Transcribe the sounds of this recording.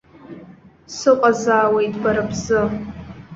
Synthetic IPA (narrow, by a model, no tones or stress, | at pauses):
sɨqʷʼazaːwejtʼʰɡʷaɾabzɨ